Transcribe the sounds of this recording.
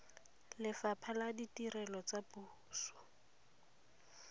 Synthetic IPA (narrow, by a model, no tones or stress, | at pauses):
lɪfapʰaladitirɛlɔt͡sapuːsɔ̥